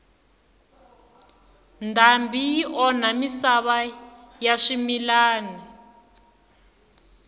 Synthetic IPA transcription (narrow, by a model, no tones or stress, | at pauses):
ndʱambʱijiʔɔnamisaβa | jaʂimilaːni